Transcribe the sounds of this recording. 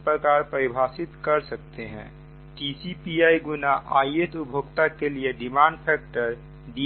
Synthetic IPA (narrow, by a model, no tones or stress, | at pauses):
pɾəkaːɾpəɾɪbʱaːsɪt̪kəɾsɐk̚t̪eɦɛ̰̃ː | ʈisipiaːiɡʊnaʔaːiet̪ʊbʱoɡt̪akelieɖɪmãːɳɖpʰɛːk̚ʈəɾ | ɖi